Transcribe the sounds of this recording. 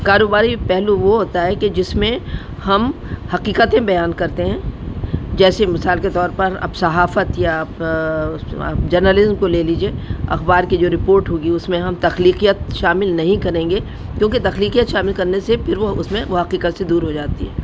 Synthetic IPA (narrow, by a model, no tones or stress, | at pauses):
kaːɾoːbaːɾipɛɦluʋoɦoːt̪aɦɛked͡ʒɪsmẽ | hɐmhɐqiːqət̪ẽbɐjaːnkɐɾt̪eɦɛ̃ː | d͡ʒɛːsemɪsaːlket̪ɔːɾpɐɾɐ̰bsɐɦaːfət̪jap | d͡ʒɐɾnəlɪzmkoleːliːd͡ʒieːɐ̰xbaːɾkid͡ʒoːɾɪpoːɾʈɦoːɡiʊsmẽɦɐmt̪ɐxliːqijət̪ʃaːmɪlnɐɦĩkɐɾẽːŋɡe | kjõːket̪ɐxliːqijət̪ʃaːmɪlkɐɾnesepʰɪɾʋoʊsmẽʋoɦɐqiːqət̪sed̪uːɾɦod͡ʒaːt̪ḭɦɛ̰ː